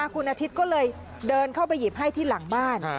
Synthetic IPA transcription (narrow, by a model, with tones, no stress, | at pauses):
aː˧kʰu˧nʔa˧t̪ʰi˦˥t̪̚kɔː˥˩lɤː˧j | dɤː˧nkʰa˥˩wp̬a˧jːi˨˩p̚ɦa˥˩jt̪ʰiː˥˩la˩˦ŋbaː˥˩n